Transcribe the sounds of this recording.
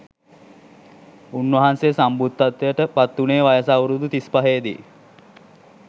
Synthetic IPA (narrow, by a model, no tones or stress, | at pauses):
unʋɐɦansesambut̪ːat̪ːejəʈəpat̪ːuneːʋajəsawɾud̪ut̪ispɐɦeːd̪ḭ